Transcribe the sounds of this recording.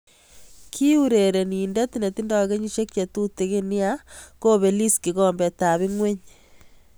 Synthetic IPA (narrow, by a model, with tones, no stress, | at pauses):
kʰi˦u˦ɾe˨ɾe˨ni˨nde˦ti˦ne˨ti˦ndɔ˨ke˦ɲi˦ʃe˦kje˨tu˦te˨˦ke˦ni˦a˦ko˦βe˨li˦ski˨ɣɔ˨mbe˨ta˨βi˦ŋwe˦ɲ